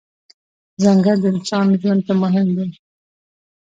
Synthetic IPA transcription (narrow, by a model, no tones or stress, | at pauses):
zaŋɡəɾd̪əɪnsɑnʒwand̪̚t̪amʊɦɪmd̪e